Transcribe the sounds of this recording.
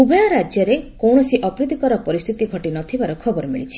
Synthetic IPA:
ubʱɔjɔɾad͡ʒjɔɾekowɳ̃ɔsiʔɔkɾid̪ikɔɾɔpɔɾist̪ʰit̪iɡʱɔʈinɔt̪ʰibaɾɔkʰɔbɔɾɔmḭɭit͡ʃʰi̥

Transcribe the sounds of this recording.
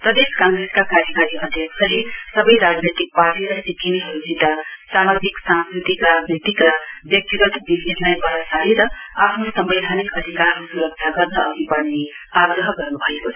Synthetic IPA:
p̪ʌd̪eskãŋɡɾeskakaɾjʌkaɾiʔʌd̪ʱjʌksʰʌlesʌbʌjɾad͡znet̪ik̚paʈiɾʌsikiniɦʌɾud͡zit̪asamad͡ziksãnskɾit̪ikɾad͡znit̪ikɾʌbjʌk̚t̪iɡʌt̪bibesnajbʌɾʌsaɦiɾʌ | apʰnosʌmbejd̪ʱanikʌd̪ʱikaɾkosuɾʌk̚t͡sʰaɡʌrnʌʌbipʌɽne | aɡɾʌɦɡʌrnubʱʌjekot͡sʰ

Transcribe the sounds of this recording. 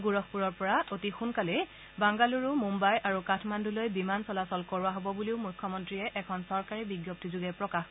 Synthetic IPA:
ɡuɹɔkpuɹɔɹpɔɹaotixunkalɛ | baŋɡaluɹʊmumbajʔaɹukatʰmandulojbimansɔlasɔlkɔɹʊaɦɔbɔbuliʊmujkʰːɔmɔntɹijɛʔɛkʰɔnsɔɹkaɹibiɡjɔp̚tizuɡɛpɹɔkax

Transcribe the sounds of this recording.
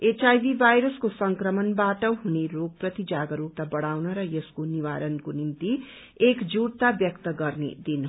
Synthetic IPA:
et͡ʃajbibʱajɾʌskosʌŋkrʌmʌnbaʈʌɦuneɾoɡ̚prʌt̪id͡zaɡʌɾuk̚t̪abʌɽawnʌɾʌjeskoniwaɾʌnkonimt̪i | ekd͡zuɽt̪abjʌkt̪ʌɡʌrnḛd̪in

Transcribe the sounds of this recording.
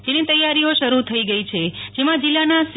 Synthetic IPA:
d͡ʒenit̪əjːaɾioʃəɾut̪ʰəiɡəit͡ʃʰed͡ʒemãd͡ʒɪlːanas

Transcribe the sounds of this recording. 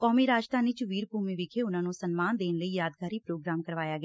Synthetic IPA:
kɔːmiːɾaːd͡ʒt̪aːnit͡ʃʋiːɾbuːmẽːʋɪkʰeːʊnãːnũsənmaːnd̪eːnləiːjaːd̪̚kaːɾiːpɾoːɡɾaːmkəɾʋaːjaːɡɛaː

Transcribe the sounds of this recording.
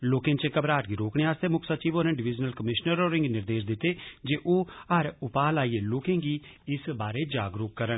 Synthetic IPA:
loːkẽːt͡ʃekəbɾaːʈɡiːɾoːkɽeːaːst̪eːmʊkʰsət͡ʃiːʋoːɾnɪ̃ɖɪʋɪd͡ʒnəlkəmɪʃnəɾoːɾɪ̃ŋɡnɪɾd̪eːʃd̪ɪt̪ːeːd͡ʒeːʔoːəɾʊpaːlaːieːloːkẽːɡiːɪsbaːɾeːd͡ʒaːɡɾʊːkːəɾən

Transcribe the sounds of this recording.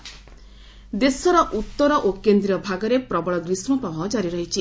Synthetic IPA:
d̪esɔɾɔʔut̪ːɔɾɔʔokend̪ɾiɔbʱaɡɔɾepɾɔbɔɭɔɡɾismɔpɔbɔd͡ʒaɾiɾɔɦit͡ʃʰi

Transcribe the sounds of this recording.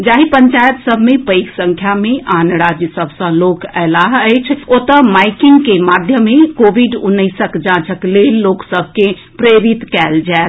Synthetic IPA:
d͡ʒaɦipəɲt͡ʃajət̪səbʱmepəɪksə̃ŋkʰjameʔanɾad͡ʒjəsəbʱsə̃lokɛlaɦəjt͡ʃʰot̪əmajkiŋɡkemad̪ʱjəmekobiɖunəɪsəkd͡ʒãt͡ʃʰəklelːoksəbʱke | pɾeɾit̪kɛld͡ʒaet̪ʰ

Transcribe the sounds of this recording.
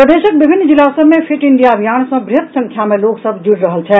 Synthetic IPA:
pɾəd̪eːʃək̚bɪbʱɪnːd͡ʒɪlaːsəbmẽpʰɪʈɪɳɖijaəbʱijaːnsɐ̃bɾɪɦət̪sə̃ŋkʰjamẽloːɡsəbʱd͡ʒʊɽɾəɦəlt͡ʃʰɛ

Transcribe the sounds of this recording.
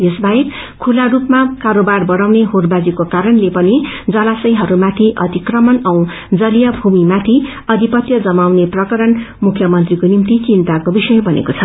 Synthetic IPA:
jesbʱajek | kʰularupmakaɾobarbʌɽawneɦorbad͡zikokaɾʌnlepʌnid͡zʌlasʌjɦʌɾumat̪ʰiʔʌ̰t̪ikrʌmʌnʌw̃ | d͡zʌlijʌbʱumimat̪ʰi | ʌd̪ʱipʌt̪jʌd͡zʌmawneprʌkʌɾʌn | mukʰjʌmʌnt̪rikonimt̪it͡sint̪akobisʌjbʱʌnḛkot͡sʰʌ

